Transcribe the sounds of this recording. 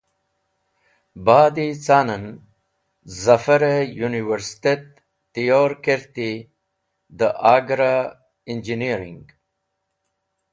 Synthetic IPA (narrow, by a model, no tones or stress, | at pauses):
baːd̪it͡saːnan | zafaɾejuniwəɾst̪et̪ː | ijoɾkeɾt̪i | d̪əʔaːɡɾa | ind͡ʒiniɾḭŋɡ